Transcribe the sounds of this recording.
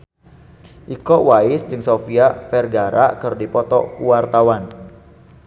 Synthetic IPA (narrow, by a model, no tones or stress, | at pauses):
ʔikɔwaɪsdɨŋsofiafɛrɡaɾʔakɨrdipɔt̪ɔ̰kuwart̪awan